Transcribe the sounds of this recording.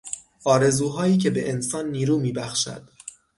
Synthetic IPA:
ʔɒːɾe̞zuːɦɒːiːcʰe̞be̞ʔensɒːnːiːɾuːmiːbæxʃæ̰d̪̥

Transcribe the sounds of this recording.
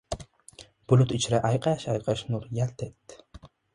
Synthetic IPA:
b̥ʊlʊt̪it͡ʃɾaʔɑjqɑʃɑjqɑʃnuɾjælt̪ʰet̪ː

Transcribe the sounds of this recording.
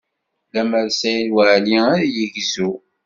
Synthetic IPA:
læməɾsæjlwəʕliæɾjəʝzu

